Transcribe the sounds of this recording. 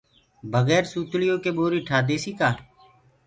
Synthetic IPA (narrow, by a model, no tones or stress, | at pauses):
bʱəɣɛːɾsuːt̪lɪjõːkeːɓoːɾiːʈʰaːd̪eːsiːkaː